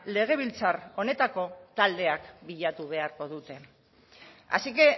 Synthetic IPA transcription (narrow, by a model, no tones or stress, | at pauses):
le̞ɣ̞e̞β̞ilt͡saro̞ne̞t̪ako̞t̪ald̪e̞akbiʎat̪uβ̞e̞aɾko̞ðut̪e̞ | a̰sike̞